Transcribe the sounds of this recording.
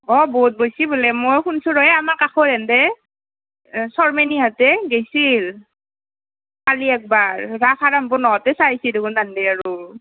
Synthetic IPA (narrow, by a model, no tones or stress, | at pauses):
ɔboɦut̚bojsibulɛmojkunsuɹɔjɛamaɹkaxɔɾɛndɛ | sɔɹmeniatɛɡejsil | kaliɛk̚baɹɹakaɹambʊnɔɔtɛsajsidekundandɛaɹu